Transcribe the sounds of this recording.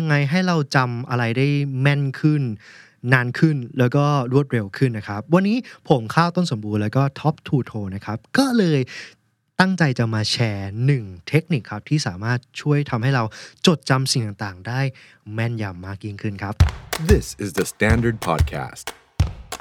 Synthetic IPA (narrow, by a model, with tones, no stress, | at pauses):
ja˧ŋːa˧jɦa˥˩jɾa˧wt͡ɕa˧mʔa˧ɾa˧jdaː˥˩jmɛ˥˩nkʰɯ˥˩nː | aː˦˧˥nkʰɯ˥˩nlɛː˦˥wkɔː˥˩ɾu˥˩ət̪̚ɾe˧wkʰɯ˥˩nːa˦˥kʰa˦˥p̚wa˧nːiː˦˥pʰo˩˦mkʰaː˥˩wt̪o˥˩nso˩˦mbuː˧nlɛː˦˥wkɔː˥˩t̪ʰɔ˦˥p̚t̪ʰuː˧t̪ʰoː˧na˦˥kʰa˦˥p̚kɔː˥˩lɤː˧j | t̪a˥˩ŋt͡ɕa˧jt͡ɕa˨˩maː˧t͡ɕʰɛː˧nɯ˨˩ŋt̪ʰe˦˥k̚ni˨˩kʰɾa˦˥p̚t̪ʰiː˥˩saː˩˦maː˥˩t̪̚t͡ɕʰu˥˩əjt̪ʰa˧mɦa˥˩jɾa˧wt͡ɕo˨˩t̪̚t͡ɕa˧msi˨˩ŋt̪aː˨˩ŋt̪aː˨˩ŋdaː˥˩j | mɛ˥˩nja˧˩mːaː˥˩k̚ji˦˥ŋkʰɯ˥˩nkʰa˦˥p̚ðɪsɪzðəstæ̃ndə˞d̚pʰɑ̰d̚kʰæ̰st